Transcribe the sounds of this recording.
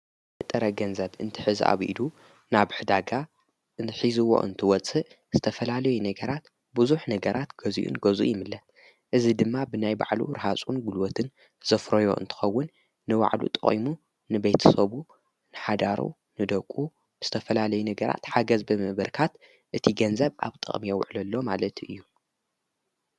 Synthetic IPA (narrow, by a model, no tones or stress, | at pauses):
ɨt̪ʼːɐɾɐɡɐnzɐβɨnt̪ʰɨ̥ħɨzʔa̰βʔḭdu | naβħɨd̪aɡa | ʔɨnt̪ʰɨħizuwo̰ʔɨ̰nt̪ʰɨwɔt͡sʼɨʔ | z̥ɨt̪ʰɐfɐlalɐjunɐɡɐɾat̪ | buzuħnɐɡɐɾʔat̪ɡ̥ɐzḭʔṵnɡɐzuʔjɪmɨlːɐ | ʔɨzid̪ɨmːabɨnajba̰ʕlṵɾɨhasʼunɡulwot̪ʰɨn | z̥ɐfɾojo̞̰ʔɨ̰nt̪ʰɨ̥xɐwːʊnː | ɨwa̰ʕlṵt̪ʼɨ̰χʼḭmu | nɨbejt̪ʰsɐβu | nɨħad̪aɾṵ | nɨd̪ɐkʼːu | ɨz̥ɨt̪ʰɐfɐlalɐjunɐɡɐɾa̰t̪ħaɡɐzbɨmɨβɐɾkʰat̪ | ʔɨt̪ʰiɡɐnzɐβʔa̰βt̪ʼɨ̰χʼmijɛw̰ʕlɐlːo̞malɐt̪ɨ̰jːu